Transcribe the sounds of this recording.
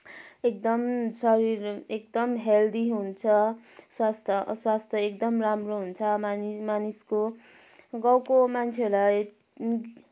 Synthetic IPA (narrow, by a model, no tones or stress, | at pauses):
ek̚d̪ʌmsʌɾirekd̪ʌmɦeld̪iɦunt͡sʰʌswast̪ʰʌswast̪ʰʌekd̪ʌmramroɦunt͡sʰʌmanisko | ɡʌwkomant͡sʰeʌɾlaj